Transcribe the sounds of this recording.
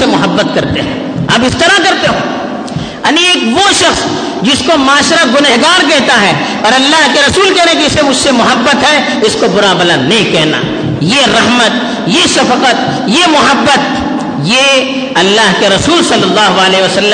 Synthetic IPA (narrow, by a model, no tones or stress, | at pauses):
emʊɦəbːət̪kɐɾt̪eɦɛ̰̃ː | ɐpɪst̪ɐɾakɐɾt̪eɦõː | ɐnieːkʋoʃɐxs | d͡ʒɪskomaːʃɾaɡʊneɦɡaːɾkɛɦt̪aɦɛ | ɐːɾɐlːaːɦkeɾɐsuːlkɛɦnek̬iɪsemʊd͡ʒʱsemʊɦəbːət̪ɦɛ | ɪskobʊɾabɐlanːɐɦĩkɛɦna̰ː | jeɾɐɦmət̪ | jeʃɐfəqət̪̚ | jemʊɦəbːət̪̚ | je | ɐlːaːɦkeɾɐsuːlsɐlːɐlːaːɦoaleɦiʋəsɐlː